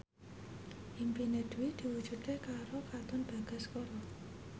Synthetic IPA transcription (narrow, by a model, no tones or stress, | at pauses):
ʔimpined̪̥uwid̪̥i̤wud̥d͡ʒ̥ṳt̪ekaɾokat̪ʊnb̥a̤ɡ̥a̤skɔɾɔ